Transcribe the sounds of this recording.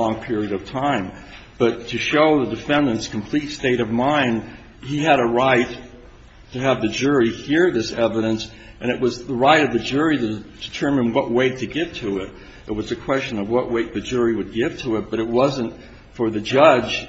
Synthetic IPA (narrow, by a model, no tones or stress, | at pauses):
ɔ̃ŋpʰɪɹiɨɾʌv̥tʰãɪ̃m | b̥ʌtʰɨʃoʊðɨdɨfɛ̃ndɨ̃nskʰm̩pʰl̥itsteɪɾʌvmãɪ̃nd | iɨɾəɹaɪtʰ | ɨːvðɨd͡ʒʊɹihiɹðɪsɛvɨɾɨ̃ns | ʔɨ̃ñɨʔ̚wʌzðəɹaɪɾʌvðɨd͡ʒʊɹiɾɨd̥ɨtʰɜ̃˞mɨ̃nwʌʔ̚weɪtʰɨɡɪv̥tʰɨɪɾ | ɨt̚wʌzɨkʰw̥ɛst͡ʃɨ̃nʌvwʌʔweɪt̪̚ðɨd͡ʒʊɹiwɨd̚ɡɪv̥tʰəɨt̚b̥ʌɾɨt̚wʌzɨ̃nt | fə˞ðɨd͡ʒʌ̥ʒ̥